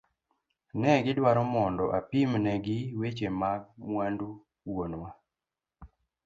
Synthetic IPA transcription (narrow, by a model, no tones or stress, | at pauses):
nɛɡɪdwaɾɔmɔndɔʔapimnɛɡɪwet͡ʃemamwandu | wonwa